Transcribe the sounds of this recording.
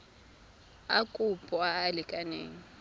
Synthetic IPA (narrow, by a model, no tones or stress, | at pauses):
akʼupʼɔaːlɪkʼanḛːŋi